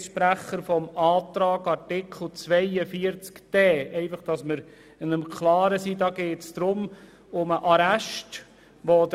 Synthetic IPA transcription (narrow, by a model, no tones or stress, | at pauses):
ʃpɾæχːəɾfɔmɑːt̪ɾɑːɡɑɾtɪkʰl̩ˠt͡sʋɛɪəfiəɾt͡skd̥ɛːɛɪfɑχd̥ɑsməɾ | ɪnəmkʰlɑːɾəsidɑːɡeːtsd̥̪ɾʊm | ʊməʔɑɾæʃt | ʋod